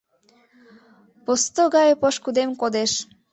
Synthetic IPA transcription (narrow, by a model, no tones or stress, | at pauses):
post̪oɡɑjəpoʃkud̪emkod̪eʃ